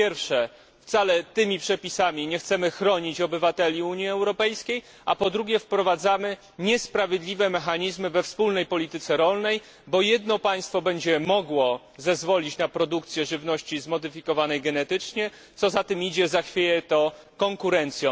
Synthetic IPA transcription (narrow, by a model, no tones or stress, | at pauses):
pjɛɾfʂɛ | ft̪salɛt̪ɘmʲipʂɛpʲisamʲiɲɛxt̪sɛmɘxɾɔɲit͡ɕɔbɘvat̪ɛlʲiuɲiɛwɾɔpɛjskʲej | a̰pɔd̪ɾuɡʲjɛfpɾɔvad̪zamɘ | ɲɛspɾavʲjed̪lʲivɛmɛxaɲizmɘvɛfspulnɛjpɔlʲit̪ɘt̪sɛɾɔlnɛj | bɔjɛd̪nɔpaj̃st̪fɔbɛɲd͡ʑɛmɔɡwɔ | zɛzvɔlʲit͡ɕnapɾɔd̪ukt̪sʲjɛʐɘvnɔɕt͡ɕizmɔd̪ɘfʲikɔvanɛjɡɛnɛt̪ɘt͡ʂɲɛ | t̪sɔzat̪ɘmid͡ʑɛzaxfʲjejɛt̪ɔ | kɔŋkuɾɛnt̪sʲjɔ̃